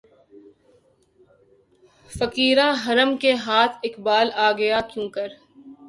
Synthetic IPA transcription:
fɐkiːɾãɦɐɾəmkeɦaːt̪ʰɪkbaːlaːɡɐjakjũːkɐɾ

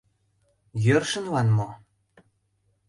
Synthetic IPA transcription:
jørʃə̆nβɑnmo

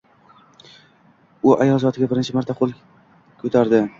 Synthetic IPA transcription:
ʊʔajɒlˠzɒt̪ʰɪɡʲabɪɾnt͡ʃʰɪmaɾt̪ʰaqʰolˠ | kʰɵt̪ʰaɾd̪ɪ

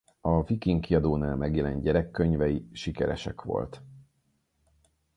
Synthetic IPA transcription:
ɒvikiŋkiɒd̪oːnaːlmɛɡjɛlɛnɟɛɾɛkːøɲvɛjiʃikɛɾɛ̰ʃɛ̰kʋo̞̰lt̪

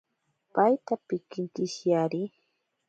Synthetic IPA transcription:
pajt̪apɪkɪŋkɪʃjaɾɪ

